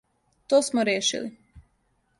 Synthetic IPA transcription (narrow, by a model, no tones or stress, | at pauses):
t̪oːsmoɾjeːʃḭlḭ